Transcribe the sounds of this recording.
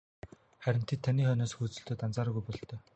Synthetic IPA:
χæɾʲɪ̆nt̪ʰet̪ʰːaniːχœnoːsxut͡sɵ̆ɬt̪oːt̪ant͡saːɾɣujpɔɮt̪œː

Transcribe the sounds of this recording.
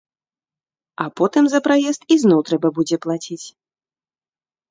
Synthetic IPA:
apɔt̪ɨmzɐpɾajɛst̪iznɔwt̪ɾɛbɐbud͡zʲɛplˠat͡sʲit͡sʲ

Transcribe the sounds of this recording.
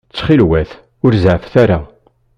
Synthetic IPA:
t͡sːχilwæθ | ʊɾzʕfθæɾa

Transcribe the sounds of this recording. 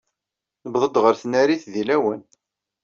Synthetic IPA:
nəbðˤəd̪ʁəɾθnæɾiθðilæwən

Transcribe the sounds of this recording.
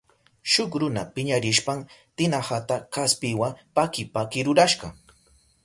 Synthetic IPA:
ʃʊkɾʊna̰pɪɲaɾɪʃpaŋt̪ɪnahat̪akaspɪwapakɪpakɪɾʊɾaʃɢɑ

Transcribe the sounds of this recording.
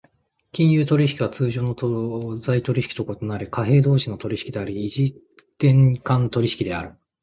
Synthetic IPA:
kʲĩɰ̃jɯːt̪o̞ɾʲiɕi̥kʲiβ̞at͡sɨːʑoːno̞t̪ozait̪o̞ɾʲiɕi̥kʲi̥t̪o̞ko̞t̪o̞naɾʲikaɦe̞ːd̪o̞ːɕinːo̞t̪o̞ɾʲiɕi̥kʲid̪e̞aɾʲiːʑi | t̪ẽ̞ŋkãnt̪o̞ɾʲiɕi̥kʲid̪e̞aɾɯ̟

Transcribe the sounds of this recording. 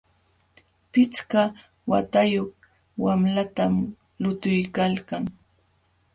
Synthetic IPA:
pɪt͡ska | wa̰t̪ajoχ | wamlat̪am | lʊt̪ʊjkalkaŋ

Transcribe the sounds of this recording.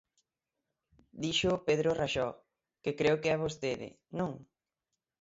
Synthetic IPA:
d̪iʃʊpeðɾoraʃɔ | kɪkɾewkɪaβost̪eðɪ̰ | nõŋ

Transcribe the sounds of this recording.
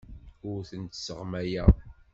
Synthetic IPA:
ʊɾθənt̪səʁmæjæ

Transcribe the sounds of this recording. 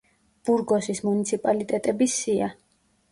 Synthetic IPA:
b̥uɾɡɔsismunit̪sʰipʼalit̪ʼɛt̪ʼɛbisia

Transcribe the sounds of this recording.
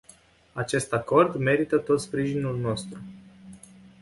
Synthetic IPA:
at͡ʃe̞st̪ako̞rd̪me̞ɾit̪ət̪o̞t̪spɾiʒinulno̞st̪ɾu

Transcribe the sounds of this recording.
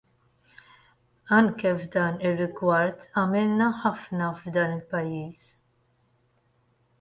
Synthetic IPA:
ɐŋkɛvd̪ɐːnɪrːɪɡwɐɾt̪ʰɐmɪlnɐħɐfnɐvd̪ɐːnɪlpɐjːiːs

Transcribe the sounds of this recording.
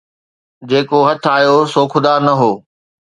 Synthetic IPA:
d͡ʑeːkoɦɐt̪ʰaːjosoːkʰʊd̪aːɾnɐɦoː

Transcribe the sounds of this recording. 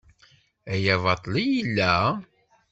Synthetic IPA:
æjævɑt̪ˤːlijilːæ

